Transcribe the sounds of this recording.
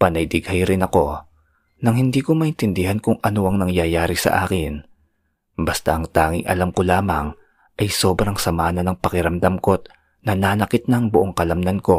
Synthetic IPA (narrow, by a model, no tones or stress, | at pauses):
pɐnɐjd̪ɪɡhɐjɾɪnɐko̞ | nɐŋhɪnd̪iːko̞mɐʔɪnt̪ɪnd̪ɪhankʊŋʔɐnoʔɐŋnɐŋjajaːɾɪsɐ̰ʔa̰ːkɪn | bɐst̪a̰ʔɐŋt̪aːŋɪŋʔɐ̰lamko̞laːmɐŋ | ʔɐjso̞ːbɾɐŋsɐmaːnɐnɐŋpɐkɪɾɐmd̪ɐmko̞t̪̚ | nɐnaːnɐkɪt̪̚nɐŋbʊʔoŋkɐlɐmnɐnko̞